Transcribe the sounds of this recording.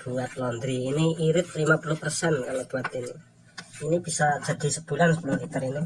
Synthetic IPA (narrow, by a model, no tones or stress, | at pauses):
b̥uat̪̚lɔnd̪ɾiːniiɾɪt̪̚limapuluhpərsɛnkalob̥ṳat̪ini | inib̥isad̥d͡ʒ̥ad̪̥i̤səb̥ṳlansəpululit̪əɾini